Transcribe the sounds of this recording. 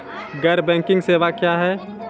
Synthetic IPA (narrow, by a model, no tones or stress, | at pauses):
ɡɛɾbɛ̃ːŋkɪ̃ŋɡseːʋakjaːɦɛː